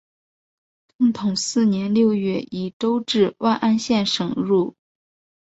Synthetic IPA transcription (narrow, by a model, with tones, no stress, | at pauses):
t̪ʊ˥˩ŋt̪ʰʊ˨˩˦ŋsɹ̩˥˩njɛ˧˥nljo˥˧ʊɥɛ˥˩i˨˩ʈ͡ʂo˥ʊʈ͡ʂɻ̩˥˧wʔa˥˧nʔa˥nɕjɛ˥˩nʂɤ˨˩ŋɻu˥˩